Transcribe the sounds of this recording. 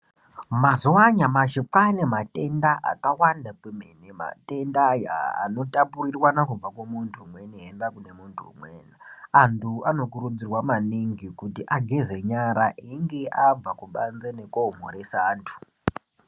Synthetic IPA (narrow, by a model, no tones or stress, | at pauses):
mazuwaɲamaʃipanemate̞ndaʔa̰kawandapemenema̰te̞ndaja̰ːno̞tapurirwanakub͡vakwemuntʰumweniɦenrakune̞muntʰuumweːnaantʰuano̞k̬uɾud͡zirwamaniŋɡikutiʔaɡʱeze̞ɲaɾaʔiŋɡe̞ʔab͡vakuɓanzenekom̤o̰ɾesaːntʰu̥